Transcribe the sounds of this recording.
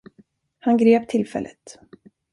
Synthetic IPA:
hanɡɾeːp̚t̪ʰɪlfɛ̰lʔə̰t̪

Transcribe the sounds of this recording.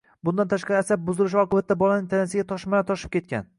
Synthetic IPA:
bʊnd̪ant̪ʰaʃqɑɾɪasab̚bʊzɪlɪʃɒqʰɨbat̪ːabɒlanɪŋt̪ʰanasɪɡʲat̪ʰɒʃmanat̪ʰɒʃɪ̥p̚kʲʰe̞t̪̚kʲa̰n

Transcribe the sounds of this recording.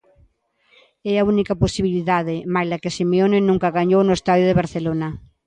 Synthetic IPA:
ɛaunikaposiβiliðaðemajlakesimeonenũŋkaɣaɲownoest̪aðjoðeβaɾθelona

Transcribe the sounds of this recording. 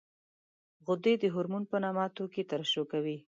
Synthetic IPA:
ɣʊd̪ed̪əɦʊɾmunpənɑmɑt̪oket̪aɾʃokawi

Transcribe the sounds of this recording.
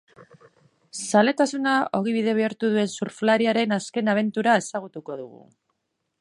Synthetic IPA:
sale̞t̪asunao̞ɣ̞iβiðe̞β̞eaɾt̪uðue̞nsuɾflaɾiaɾe̞naske̞naβ̞e̞nt̪uɾae̞saɣ̞ut̪uko̞ðuɣ̞ṵ

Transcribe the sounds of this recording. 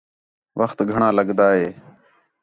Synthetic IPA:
ʋəxt̪ɡʱəɳãːləɠd̪aːɦeː

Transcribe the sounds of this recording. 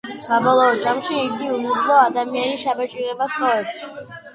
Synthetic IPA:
sabɔlˠɔːd͡ʒamʃiːɡiumuɾlˠɔad̪amianiʃabat͡ʃʼiɾɛbast̪ʼɔɛbʃi

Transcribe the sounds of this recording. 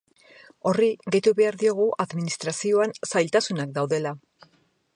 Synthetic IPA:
o̞riɣejt̪uβe̞aɾðio̞ɣ̞uʔaðminist̪ɾasio̞ansajlt̪asunak̚d̪awðe̞la

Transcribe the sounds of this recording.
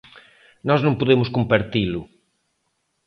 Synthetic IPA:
nɔznõŋpoðemʊskompaɾt̪ilʊ

